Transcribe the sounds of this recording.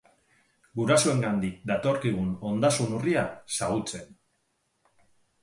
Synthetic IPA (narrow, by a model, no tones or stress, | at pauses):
ɡuɾasoe̞ŋɡand̪ik̚d̪at̪o̞ɾkiɣ̞uno̞nd̪asunuriasaɣut͡se̞n